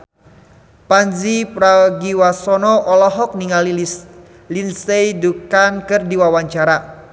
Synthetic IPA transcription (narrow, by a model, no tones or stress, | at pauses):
panzipɾaɡiwasɔnɔʔɔlɔɦɔk̚niŋali | linsejdukankɨrdiwawaɲt͡ʃaɾa